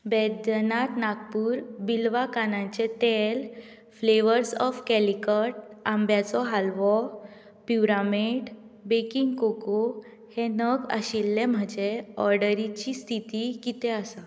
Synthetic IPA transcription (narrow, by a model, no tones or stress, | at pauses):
bɛd̪nat̪naɡpuːɾbilʋakanãɲt͡ɕet̪el | fleʋəɾsɔfkɛlikəʈ̚ambjat͡sɔɦalʋɔ | pjuɾameɖbekiŋɡkoko | henəɡa̰ɕilːem̤əd͡ʑeɔɾɖəɾit͡ɕist̪ʰit̪ikit̪ẽasa